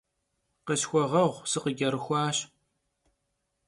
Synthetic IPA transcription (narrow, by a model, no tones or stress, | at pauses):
qəɕxʷɔʁɐʁʷsɨqəɡʲɐɾɨxʷɑːɕ